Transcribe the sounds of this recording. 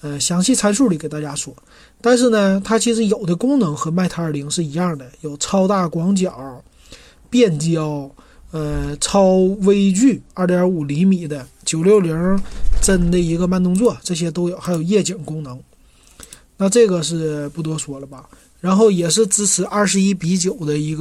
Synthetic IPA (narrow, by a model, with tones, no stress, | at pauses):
ə˧ɕjɑ˧˥ŋɕi˥˩t͡sʰa˥nʂu˥˩li˨˩kɪt̪a˥˩t͡ɕja˥swɔ˥˩ | t̪a˥˧nʂ̬ɻ̩˥˩nə˩t̪ʰa˥t͡ɕʰi˧˥ʂ̬ɻ̩˧˥jo˨˩ʊd̪ə˦kʊ˥ŋnɤ˧˥ŋxɤ˧˥ma˥˩ɪt̪ʰa˥ə˞˨˩li˧˥ŋʂɻ̩˥˩i˧˥jɑ˥˩ŋd̪ə˩jo˨˩ʊt͡sʰɑ˥ʊt̪a˥˩kwɑ˧˥ŋt͡ɕjɑ˨˩ | pjɛ˥˩nt͡ɕjɑ˨˥˩ʊ | ə˧t͡sʰɑ˥ʊwe˥ɪt͡ɕy˥˩ə˞˥˩tjɑ˧˥u˨˩li˧˥ŋmi˨˩d̪ə˦ | t͡ɕjo˨˩ʊljo˥˩ʊljɛ˧˥ʈ͡ʂə˥˧nne˥˧˩i˧˥ɡə˧ma˥˧nt̪̬ʊ˥ŋt͡swɔ˥˩ʈ͡ʂɤ˥˩ɕ̬jɛ˥t̪o˥ʊjo˨˩ʊxa˧˥ɪjo˨˩ʊjɛ˥˩t͡ɕɛ˨˩ŋkʊ˥ŋnɤ˧˥ŋ | na˥˧ʈ͡ʂɤ˥˩ɡə˩ʂ̬ɻ̩˥˩pu˥˩t̪wɔ˥swɔ˧˥lə˧bɐ˩ | ɻa˧˥nxo˥˩ʊjɛ˨˩ʂɻ̩˥˩t͡sɹ̩˥t͡sʰɹ̩˨˧˩ʔɐ˞˥˩ʂɻ̩˧˥i˥pi˧˥t͡ɕjo˨˩ʊd̪ə˦i˧˥ɡ